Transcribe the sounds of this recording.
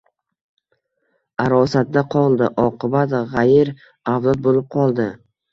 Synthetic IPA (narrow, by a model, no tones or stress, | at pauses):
aɾɒsat̪̚d̪aqʰɒlˠd̪ɪʔɒqʰɨbat̪ʁajɪɾ | awzɒt̪̚bolɪp̚qʰɒlˠd̪ɪ